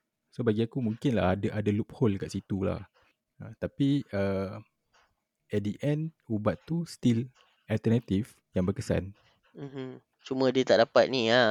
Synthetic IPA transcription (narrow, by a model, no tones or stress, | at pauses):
sobaɡiakumũŋkɪnla̰hadaʔadalup̚holkaʔsit̪ula̰h | ət̪apiə | ɛt̪̚diʔɛ̃nubat̪ːust̪il | alt̪ɛnat̪if | jaŋbərkəsa̰n | m̩m̩ | t͡ʃumə̃diət̪aʔ̚dapat̪̚nia